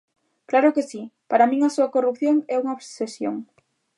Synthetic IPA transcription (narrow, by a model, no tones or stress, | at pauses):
klaɾokesipaɾamĩŋasuakorup̚θjoŋɛuŋaoβssesjo̰ŋ